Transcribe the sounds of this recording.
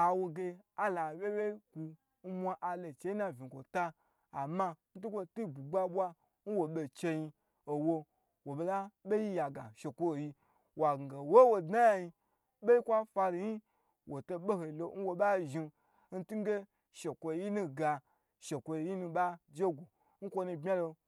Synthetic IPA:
a˨wo˧ɡe˧a˦la˨we˦we˦ku˧ | n̩˦mʷa˧ʔa˨le˨t͡ʃe˦ji˦na˨vʲi˨kʷo˨taː˦˨ | ma˧n̩˦t̬u˦kʷo˦tu˦˨ɡ͡bu˨ɡ͡ba˦ɓʷwa˧ | n̩˦wo˨ɓe˨t͡ʃe˧ji˧ | o˨wo˧ | wo˨be˨la˦ɓe˦ji˦ja˨ɡa˨ʃe˨kʷo˦˨ji˧ | wa˨ɡŋ̩˨ɡa˨wo˦wo˨da˦ja˨ji˧ | ɓe˦ji˦kʷa˦fa˧ɾi˨ji˦ | wʔo˨to˧ɓe˦ho˨i˨lo˧˦n̩˦wo˧ɓa˦ʒi˧ | n̩˦tu˦ɡe˦ | ʃe˨kʷo˧˨˦ji˦nu˦ɡa˧ | ʃe˨kʷo˧˨ji˦nu˧ɓa˦d͡ʒe˦ɡʷu˨ | n̩˦kʷo˦nu˧bmʲa˦lo˧

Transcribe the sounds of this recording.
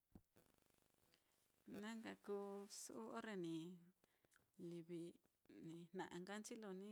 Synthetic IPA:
nã˦ŋɡa˧kuː˦su˦ʔu˦ʔo˦ɾe˧nĩ˨ | li˧βi˧nĩ˨n̥nã˨ʔã˧ŋɡa˦nt͡ʃi˦lo˧nĩ˦

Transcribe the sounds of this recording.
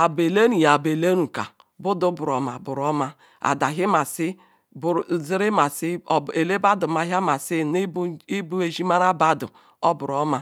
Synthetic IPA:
a˨be˨le˦ɾu˨ja˨be˨le˦ɾu˨ka̰˨ | bʊ˦dʊ˦bʊ˨ɾɔ˨ma̰˨bʊ˨ɾɔ˦ma˦ | a̰˨da˨ɦi˦ma˨sɪ˦ | bɾzi˦ɾi˦ma˨si˦˨e˨le˦ba˦du˨ma˨ɦa˦ma˨si˦n˦i˦bu˦e˨ʒi˦ma˦ɾa˦ba˦dʊ̰˨ | ɔ˦bʊ˨ɾɔ˦ma˦

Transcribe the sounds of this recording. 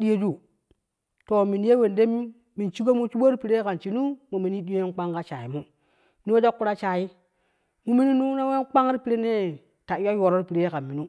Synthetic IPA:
di˦je˦d͡ʒu˦ | to˨mi˨nje˦we˨nde˦m˦ | mi˨nt͡ʃi˦ɡo˦mu˦t͡ʃu˦ɓo˦ɾi˦pi˨ɾe˦ka˨nt͡ʃi˨nu˦mu˨mi˨ni˦di˦jo˦e˦nk͡pa˦ŋka˦t͡ʃa˨ji˨mu˦ | ni˦o˦d͡ʒo˦kːu˦ɾa˦t͡ʃa˨ji˦ | mu˦mi˦ni˦nu˦na˦we˦k͡pa˦ŋ˦ɾi˦pi˨ɾe˦ne˦ | ta˨i˦ja˦jo˨ɾo˦ɾi˦pi˨ɾe˦jka˨nmi˨nu˦

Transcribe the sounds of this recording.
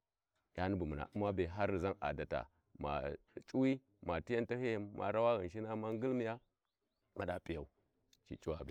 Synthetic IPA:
ja˦ni˦bu˨mu˨na̰˨ʔu˦ma˦be˨ɦa˦ɾi˨za˦ŋa̰˨da˨ta̰˨ | ma̰˨ | t͡ʃʼu˦wi˦ | ma˨ti˦ja˦nta˦he˦jma̰˨ɾa˦wa˦ɣi˨ʃi˦na˦ma˦ŋ˦ɡi˦lmi˨ja˦ | ma˨ɗa˨pʼi˨ja˨u˨ | t͡ʃḭ˨t͡ʃʼu˦wa˨be˨

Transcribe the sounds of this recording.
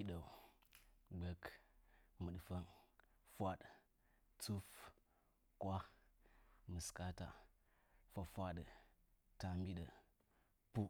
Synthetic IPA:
i˦ɗə˨ | ɡ͡bə˦k | mɨ˨ɗfə˦nfʷa˦ɗ | t͡su˦f | kwa˦ | mɨ˨ska˦ta̰˨ | fa˨fʷa˦ɗə˨ta˨mbi˦ɗə˨ | pu˦

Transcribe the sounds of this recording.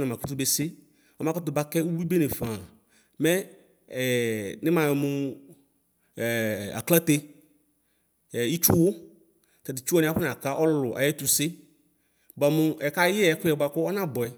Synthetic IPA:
na˨mã˨ku˦t̪u˦be˨sɪ˦ | ɔ˦mã˦kɔ˦t̪ʊ˨ba˦kɛ˦u˦wi˦be˦ne˨fã˨ | mɛ˦˨ | nɪ̃˦mã˨jmʊ̃˨ | a̰˨kla˦t̪e˦˨ | i˦t͡ʃu˦wʊ˦ | kɛ˨dɪ˨t͡ʃu˦ɔ˦nɪ̃˦a˨˦ɸʊ˦n˨a˨ka˦ʔɔ˦lʊ˨ʔa̰˨jɛ˦t̪u˨sɪ˦ | ba˨mʊ˦ɛ˨ka˦jɪ˦ɛ˦kʊ˦ɛ˨ba˨kʊ˦ɔ˦nã˦bɔ˨ɛ˨

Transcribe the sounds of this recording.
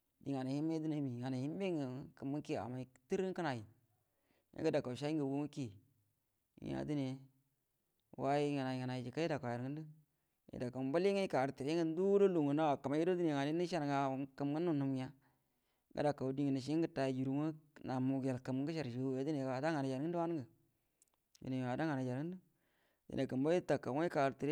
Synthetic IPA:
di˨ŋa˨na˨hi˦mːe˦du˦ne˨˦mi˨ŋa˨na˨hi˦m˦be˦ŋə˨˦kə˨mu˦ki˦a̰˨ma˨ti˦ɾi˦ŋkə˦na˨ji˨ | ḭ˦ɡə˦da˨ka˨ʃa˦i˦ŋɡə˨wu˦ŋu˦ki˦˨˦ | ja̰˨˦du˦ne˨ | wa˦i˦ŋa˨na˨i˨ŋa˨na˨i˨d͡ʒi˨ka˦i˦da˨ka˨a˨ɾŋə˦n˦də˦ | jḭ˨da˨kə˨m˦ba˦li˦ŋa˦ka˨ɾti˨ɾe˦ŋə˦n˦du˦do˦lu˨ŋo˨na˦a˨ka˨ma˦ji˦do˦di˦ne˨ŋa˨ni˦ni˦ʃa˦ɾŋa˨kə˨mŋə˦nːu˦˨nu˨m˦a˦ | ɡə̰˦da˨ka˨di˦ŋə˨ni˨ʃ̬i˦ŋ˦ɡə˦ta˨ji˨d͡ʒu˨ɾu˨mu˦na˨mu˨ɡe˨lkə˨m˦ɡə˦ʃa˨ɾʃje˨˦di˦ne˨wa˨da˦ŋa˨na˨d͡ʒa˨ɾŋə˦n˦wa˦n˦ɡə˨ | dḭ˨ne˨a˨da˦ŋa˨na˨d͡ʒa˨ɾŋə˦du˦ | dḭ˨na˨kə˨mbo˦i˦ta˨kːa˨˦a˦ka˨ɾti˨ɾe˦

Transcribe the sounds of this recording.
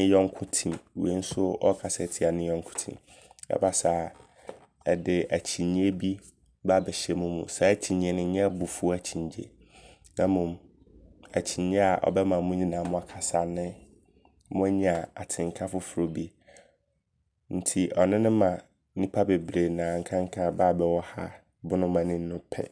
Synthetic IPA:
ɪ̃˦jɔ̃˦ŋ˦kʰʊ̃˦tʰĩ˨mwe˦n̩˦sʊ˦ɔ˦kʰa˨sɛ˦˨tʰi˨a˨nɪ̃˦jɔ̃˦ŋ˦kʰʊ̥̃˦tʰḭ̃˨m | ɛ̰˦ba˦sa˨ | ɛ˨dɪ˨æ˨t͡ɕʰi˨ɲ̃˦e˦bi˦ | ba˦˨bɛ˨ɕɛ˨mʊ̃˦mṵ̃˨sɛ˦æ˦t͡ɕʰĩ˨ɲ˨ɛ˦˨nʊ̃˦ɲɛ̃˦bʊ˨fu˦æ˨t͡ɕʰĩ˨ɲd͡ʑḛ˨ | nã˦mũ˨m | æ˨t͡ɕʰi˨ɲ˦ɛ˦a˨ʔɔ̰˨bɛ˦mã˨mũ˦ɲĩ˨nãː˨mʊ̃˦a˨kʰa˨sa˨nɪ̃˦ | mʊ̃˦æ˦ɲĩ˨a˨a˨tʰɪ̃˨ŋ˨kʰa˦fʊ˦fʊ˨ɾo˨bi˦ | n̩˦tʰi˨ʔɔ˨nɪ̃˦nʊ̃˦mã˨˦ | nĩ˦pʰa˦be˨bɾe˨nãː˨ŋ̩˦kʰã˦ŋ˦kʰã˦baː˦˨bɛ˨wɔ˦ha̰˦ | bʊ˦nʊ̃˦mã˨nɪ̃˦n˦ʊ̃˦pʰɛ̰˦

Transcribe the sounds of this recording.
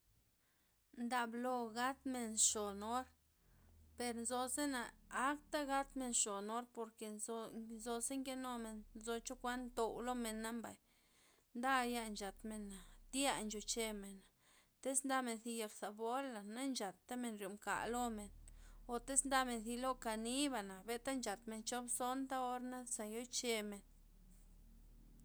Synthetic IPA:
nd̪a˧blo˧ɡa˦t̪me˨nʂo˨no˦ɾ | pe˧ɾnzo˧se˦na˨a˦kt̪a˦ɡa˦t̪me˧nʂo˨no˦ɾpo˧ɾke˨˧nzo˧se˦ŋke˦no˧me˨nnzo˧t͡ʃo˦kʷa˦nt̪o˧wlo˦me˨nːa˦mba̰˨j | nd̪a˦ja˧nt͡ʃa˨t̪me˨na˨d̪ja˦˧nt͡ʃo˨t͡ʃe˧me˨na˨ | t̪e˦snd̪a˦me˨nθi˧ja˧ksa˨bo˦la˨na˦nt͡ʃa˨t̪ːa˦me˧˨nɾjo˨mka̰˨lo˦me˨no˨t̪e˦snd̪a˦me˨˧nθi˧lo˦ka˧ni˦βa˨na˨be˨t̪a˦nt͡ʃa˨t̪me˨nt͡ʃo˦bso˦nt̪a˦o˧ɾna˦sa˨jo˦t͡ʃe˧me˨n

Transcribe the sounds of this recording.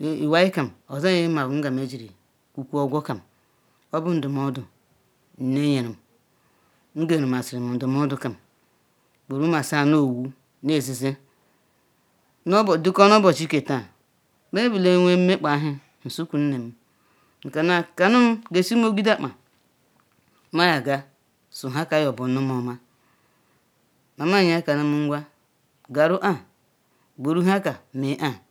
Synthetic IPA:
i˨wa˦i˦ka˨m˨o˨za˦e˦ma˨bu˨ŋ̩˦ɡa˨m˨e˨˦d͡ʒi˨ɾi˨ | kʷu˨kʷu˦o˦ɡʷo˦ka˨m˨ | o˦bʊ˦n̩˦du˨m˨o˦dʊ˨ | n̩˨ne˦ɲe˨ɾi˨m˨ | ŋ̩˦ɡe˦˨ɾi˨m˨a˨si˨ɾi˨m˨n̩˨du˨m˦o˦dʊ˦ka˨m˨ | k͡pu˨ɾu˦a˨sa˦˨no˦˨wu˦ | ne˨zi˨ze˦ | no˦bdi˦ko˦n˦o˦bo˨t͡ʃi˦ke˨ta˨ | be˦bu˨le˦wʷe˦m̩˦me˦k͡pa˨˦ɦɪ˦ | n̩˨su˦ku˨n̩˦ne˨m̩˦ | ŋ̩˨ka˨na˨ka˨nu˦m̩˦ɡe˨si˦o˦ɡʷi˦da˦k͡pa˨˦ | ma˦ja˨ɡa˦ | su˨ɦa˦ka˦jɔ˨bʊ˨˦u˦mo˨ma˦ | na˨ma˦˨ɲ˦a˦ka˨nu˦m̩˦ɡʷa˦ | ɡa˨ɾu˦ʔa˦˨ | ɡ͡bo˨ɾu˦ɦa˦ka˨me˨˦ʔa˦˨

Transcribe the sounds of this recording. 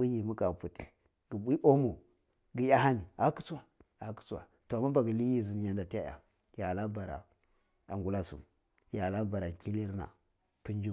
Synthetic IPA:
i˦ji˨mu˦ka˨pu˨ti˨ | ɡ̥i˨ɓʷi˦ʔo˦mo˨ | ɡi˨ja˦ha˦ni˨a˨˦ki̥˦t͡su˦wa˦a˨ki̥˦t͡su˦wa̰˨ | to˨a˨mːa˦ba˨ɡi˨li˦ji˦zi˨n˨ja˨nda˨ti˦ja˦ja̰˨ | ja˨la˦ba˨ɾa̰˨ | a̰˨ŋɡu˦la˦sṵ˨m | ja˨la˦ba˨ɾa˨ki˦li˦ɾna̰˨ | pi˦n˦d͡ʒu˦

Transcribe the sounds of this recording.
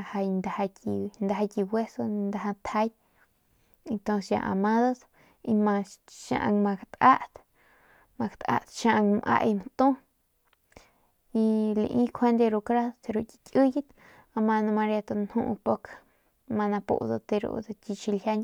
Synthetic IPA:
ha˧jnd̪a˨ha˧ki˧nd̪a˧ɦa˧ki˧bwe˦so˧nd̪a˧ɦa˧t̪ʰha˧˦jt̪̚ | e˧nt̪õ˧nsjã̰˧ʔa̰˨mã˦d̪a˦s | i˧mã˧ʃa̰˧ʔa̰˧ŋmã˧kt̪ʔa˦ʔt̪ | ma˧kt̪a̰˦˧t̪ʃa˧ʔa˧ŋmʔa̰˧ʔjmt̪ũ˦ | i˧lḭ˧ʔĩ˦kʰe˦nd̪e˧ɾu˧kɾa˦t̪e˧ɾo˧kʲi̥˧kʲɨ˦ji˦t̪ | a˧ma˧nã˧ma˧ɾja˧t̪o˧nhṵ̃˦˧ʔpo˧kʰ | ma˧nã˧pṵ˧˨d̪o̰˧t̪e˧ɾṵ˧d̪a˧tʲi˧t͡ʃi˧lhʲja˧nʲ

